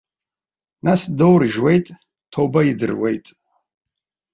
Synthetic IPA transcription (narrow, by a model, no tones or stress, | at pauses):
nasdowrʒwe̞jtʼ | tʰobaidɨ̰rwe̞jtʼ